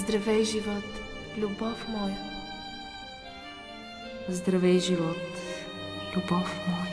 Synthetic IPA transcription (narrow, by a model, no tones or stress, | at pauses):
zd̪ɾɐvɛjʒivɔt̪ | lʲubɔfmɔlˠ | zd̪ɾɐvɛjʒivɔt̪ | lʲubɔfmɔ